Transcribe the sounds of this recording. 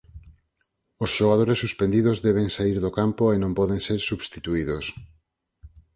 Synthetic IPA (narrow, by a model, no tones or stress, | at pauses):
osʃoɣað̞oɾesːuspend̪iðozðɛβeŋsaiɾðokampoenõmpɔðeŋseɾsuβst̪it̪uiðos